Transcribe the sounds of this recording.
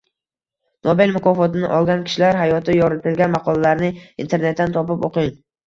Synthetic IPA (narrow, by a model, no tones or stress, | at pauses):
nobelmʊkʰɒfɒt̪ɪnɪʔɒlˠɡʲankʲʰɪ̥ʃlaɾɦajɒt̪ʰɪjɒɾɪt̪ʰɪlɡʲanmɑqʰɒlˠalaɾnɪint̪ʰe̞ɾne̞t̪ːant̪ʰɒpɪpoqɪŋ